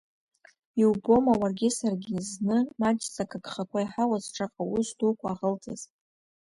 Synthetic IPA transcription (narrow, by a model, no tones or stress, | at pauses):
iwbo̞mawarɡʲɪsarɡʲɪznɨmat͡ʃʰʼt͡sʼakʰaɡχakʷʰaiħawazʈ͡ʂʰʼaqʼawʊsdukʷʰaːʁəlt͡sʼaz